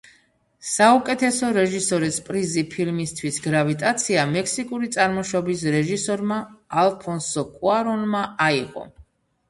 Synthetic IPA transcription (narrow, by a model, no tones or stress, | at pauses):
saukʼɛt̪ʰɛsɔɾɛʒisɔɾispʼɾizipʰilmist̪ʰwisɡɾavit̪ʼat̪sʰiamɛkʰsikʼuɾit̪sʼaɾmɔʃɔbis̬ɾɛʒisɔɾmaːlˠpʰɔnsɔkʼuaɾɔnmaaiʁɔ̰